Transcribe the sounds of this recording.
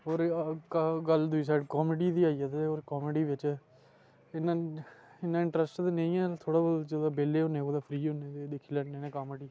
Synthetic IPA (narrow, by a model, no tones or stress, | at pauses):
ɦoːɾkɡəld̪ʊiːs̬aːɖkɔːmeɖiːd̪iːaːiːat̪eoːɾkɔːmeɖiːʋɪt͡ʃ | ɪnãːɪnːãːɪɳʈɾəsʈt̪aːnẽĩːɛːt̪ʰoːɽaːbold͡ʒod̪aːbeːleːɦõːneːoːd̪aːpʰɾiːoneːd̪ed̪eːkʰːiːlɛʈnẽːnɛːkaːməɖiː